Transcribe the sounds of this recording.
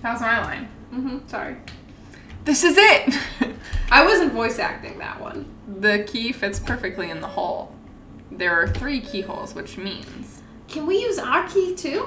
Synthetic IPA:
θaʊz̃naɪlã̰ɪ̃n | m̩m̥m̩sɑ̰ɹḭ | ðɪsɨzɪt̚ | ʔaɪwʌzɨ̃n̩tvɔɪsæ̰k̚tɪ̰̃ŋðə̰ʔwʌ̰̃n | ðɨkʰifɪtspʰɜ˞fɨk̚tˡliɨ̃nðəhoʊlˠ | ðə˞ːθɹikʰihoʊlˠz̥wɨt͡ʃmḭ̃nz̥ | kʰɨ̃nwijʉzaʊə˞kʰitʰʉ

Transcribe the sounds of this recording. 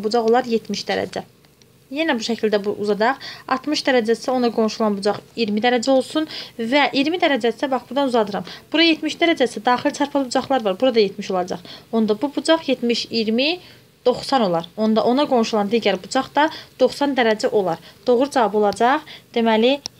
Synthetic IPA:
bud͡ʒɑʁo̞lˠɑɾje̞t̪ʰmiʃd̪æɾæ̰d͡ʒæ | jenæbuʃæcʰild̪æbuʔṵzɑd͡ʒɑχɑ̰ɾt̪mɯʃd̪æɾæd͡ʒæsiæo̞nɑɡo̞nʃulˠɑnbud͡ʒɑχiɾmid̪æɾæd͡ʒæo̞lˠsunvæʔiɾmid̪æɾæd͡ʒæsæbɑχbuɾd̪ɑnuzɑd̪ɯɾɑmb̥uɾɑje̞t̪miʃd̪æɾæd͡ʒæsæd̪ɑːχilt͡ʃʰɑɾpʰɑlˠbud͡ʒɑχlˠɑɾvɑɾbuɾɑd̪ɑjet̪miʃo̞lˠɑd͡ʒɑ̰χo̞nd̪ɑbubud͡ʒɑχje̞t̪miʃiɾmi | d̪̥o̞χsɑno̞lˠɑɾond̪ɑʔo̞nɑɡo̞nʃulˠɑnd̪iːɟæɾbud͡ʒɑχd̪ɑd̪̥o̞χsɑnd̪æɾæd͡ʒæʔo̞lˠɑɾd̪̥o̞ʁɾud͡ʒɑvɑbo̞lˠɑd͡ʒɑχd̪̥emæli

